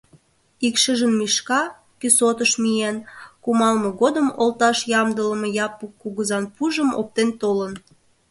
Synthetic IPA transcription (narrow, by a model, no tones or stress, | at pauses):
ikʃəʒənmiʃkɑ | kysot̪əʃmijenkumɑlmɤ̆ɣod̪əmolt̪ɑʃjɑmd̪ələ̆mɤ̆jɑpukːuɣəzɑnpuʒəmo̰p̚t̪ent̪olən